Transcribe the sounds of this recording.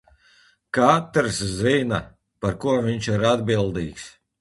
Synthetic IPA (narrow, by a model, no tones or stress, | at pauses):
kat̪ɾszina | paɾkuɔviɲt͡ʃiɾad̪bilˠd̪iːks